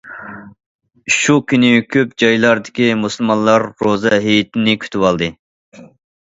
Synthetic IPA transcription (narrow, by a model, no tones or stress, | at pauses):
ʃukʲynɪkʲʰøp̚d͡ʒɑjlˠɑɾd̪ɪkʲimusɨlˠmɑnlˠɑɾːozɛɦejit̪ʰɪnɪkʲʰy̥t̪ʰywɑlˠd̪ɨ